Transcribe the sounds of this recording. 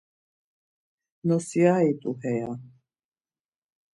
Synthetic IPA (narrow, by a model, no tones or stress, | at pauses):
nɔsiait̪ʼuhɛja